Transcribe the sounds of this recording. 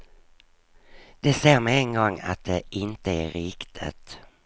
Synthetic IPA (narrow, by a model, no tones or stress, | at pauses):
d̪̥ɛseːɾmɛɛnɡɔŋːa̰t̪̚d̪ɛɪnt̪əæɾɪkt̪ʰə̰t̪